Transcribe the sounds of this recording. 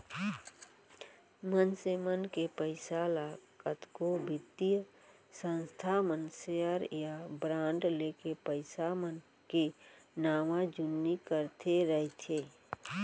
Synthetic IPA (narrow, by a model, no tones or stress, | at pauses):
mənsemənkepəɪsalakət̪kobʱɪt̪ij | sə̃nst̪ʰamənsejəɾjabɾãːɳɖleːkepəɪsamən | kenaːmãd͡ʒʊnːikəɾt̪ʰeɾəɦit̪ʰeː